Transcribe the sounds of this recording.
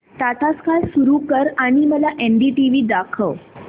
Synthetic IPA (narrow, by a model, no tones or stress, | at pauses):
t̪at̪askalsuɾukəɾaɽ̃iməlaʔeɳɖiʈiʋiːd̪akʰəʋ